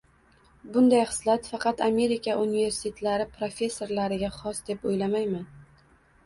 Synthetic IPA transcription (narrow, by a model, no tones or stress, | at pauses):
bʊnd̪ajχɨ̥slat̪fɑqɑt̪ame̞ɾikʲʰaʔunive̞ɾsɪ̥t̪ʰet̪ʰlaɾɪpʰɾofʲe̞sːo̞ɾlaɾɪɡʲaχɒsd̪e̞pojlamajman